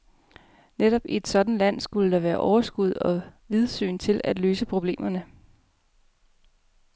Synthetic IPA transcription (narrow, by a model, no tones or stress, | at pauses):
neɾɒ̽b̥ie̝d̥sɒ̽d̥n̩læn̰sɡ̥uləd̥ɑ̈ʋæːɐʔɒʊɐsɡ̥uð̞̰ˠɒ̽ʋið̞ˠsy̰ːnt͡sʰe̝læd̥løːsəpʰʁo̝b̥le̝̰ːmɐnə